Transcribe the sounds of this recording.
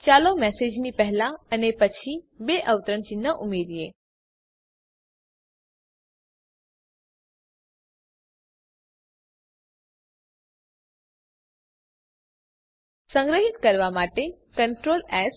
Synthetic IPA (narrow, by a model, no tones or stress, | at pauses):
t͡ɕaːlomɛseːd͡ʑnipɛɦɪlaənepət͡ɕʰibeʔəʋt̪əɾənt͡ɕiːnəʔʊmeːd̪ieː | sə̃ŋɡɾəɦɪt̪kəɾʋamaːʈe | kə̃ɳʈɾoːlɛːz